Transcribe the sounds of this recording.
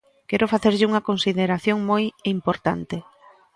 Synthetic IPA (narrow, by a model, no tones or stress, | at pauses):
kɛɾʊfaθeɾʎɪuŋɐkonsiðeɾaθjoŋmojimpoɾt̪a̰nt̪ɪ